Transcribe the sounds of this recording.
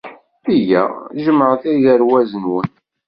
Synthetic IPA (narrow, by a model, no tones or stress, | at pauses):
θijæʒəməʕθæjðəɾwæzənwən